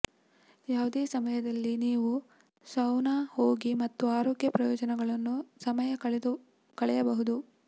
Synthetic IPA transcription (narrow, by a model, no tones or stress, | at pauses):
jaːʋud̪eːsɐmɐjɐd̪ɐlːiniːʋu | sɐwnaho̞ːɡimɐt̪ːuaːɾo̞ːkjɐpɾɐjɔːd͡ʒɐnɛɡɐɭɐnːusɐmɐjɐɐɭ | kɐɭɛjɐbɐɦud̪u